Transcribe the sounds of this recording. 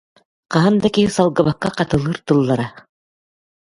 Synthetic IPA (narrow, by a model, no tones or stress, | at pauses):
qɑɦand̪akisɑlˠɡɤβakːɑqɑt̪ɯ̆lˠɯɾt̪ɯ̆lˠːaɾɑ